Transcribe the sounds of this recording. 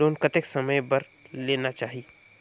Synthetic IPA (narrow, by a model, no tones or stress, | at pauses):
oːnkət̪eksəməjbəɾ | leːnat͡ʃaːɦi